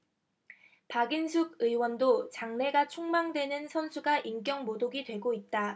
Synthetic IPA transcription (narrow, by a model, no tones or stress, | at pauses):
paɡinsʰuɡɯiwʌndot͡ɕaŋne̞ɡat͡ɕʰoŋmaŋdwe̞nɯnsʰʌnsʰuɡaʔiŋk͈jʌŋmodoɡidwe̞ɡoit̚t͈a